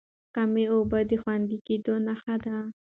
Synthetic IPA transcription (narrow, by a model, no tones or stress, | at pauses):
kameobad̪ixwand̪ikid̪onaxad̪a